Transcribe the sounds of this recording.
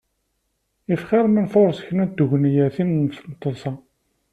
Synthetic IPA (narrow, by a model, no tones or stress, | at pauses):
ifχɪɾmənfoɾˤsçənæd̪uʝnjæθinnθnt̪ˤːosɑ